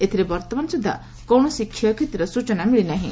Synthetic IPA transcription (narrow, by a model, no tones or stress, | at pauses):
et̪ʰiɾebɔɾt̪ɔmansud̪ʱːa̰ | kɔwɳ̃ɔsikʰːjɔkʰet̪iɾɔsut͡ʃɔnamiɭinaɦḭ̃